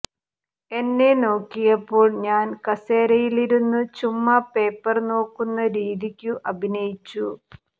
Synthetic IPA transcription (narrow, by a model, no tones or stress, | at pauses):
e̞nːe̞no̞ːkːijɐpːo̞ːɭɲaːnkɐseːɾɐjiliɾunːut͡ɕumːɐpe̞ːpːɐrno̞ːkːunːɐɾiːðikʲːuʔɐbʱinɐjit͡ɕːu